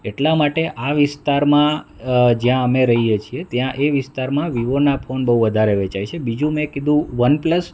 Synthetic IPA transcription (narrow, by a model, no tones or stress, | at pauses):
eʈlamaʈeʔaʋɪst̪aɾmã | d͡ʒjãəmeɾəɦijet͡ʃʰiet̪jãʔeʋɪst̪aɾmãʋiʋonapʰonbəɦuʋəd̪ʱaɾeʋet͡ʃajt͡ʃʰebid͡ʒũmẽkid̪ʱũʋənpləs